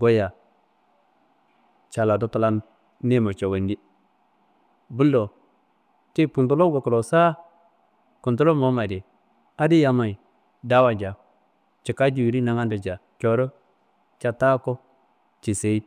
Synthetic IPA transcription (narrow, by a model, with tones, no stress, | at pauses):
ɡo˦ja˨ | t͡ʃa˨la˨do˦ta˦la˦n | ne˦mo˨t͡ʃo˨we˨ndi˦ | bu˦lːo˨ | t͡ʃe˦pu˨nto˦lo˦ɡo˨ko˨ɾo˨sa˦ | ku˨nto˦lo˦mo˨˦ma˨de˨ | a˦di˦ja˨ma˨i˨ | da˦wa˨d͡ʒa˨ | t͡ʃi˨ka˦d͡ʒi˨wi˨ɾi˦na˨ŋa˦ndo˨d͡ʒa˨t͡ʃo˨ɾo˦ | t͡ʃa˨ta˦ko˦ | t͡ʃi˨se˨i˦